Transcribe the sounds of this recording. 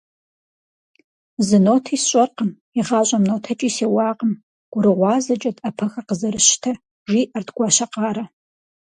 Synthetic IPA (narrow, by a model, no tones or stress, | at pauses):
zɨnoːtʰiːsɕʷʼɐrqəm | iʁɑːɕʷʼɐmnoːtʰɐt͡ʃʼiːseːwɑːqəm | ɡ̥ʷʊɾɨʁʷɑːzɐt͡ʃʼɐtʼɐpʰɐxɐqəzɐɾɨɕtʰɐ | ʒiːʔɐrtɡʷɑːʃɐqɑːɾɐ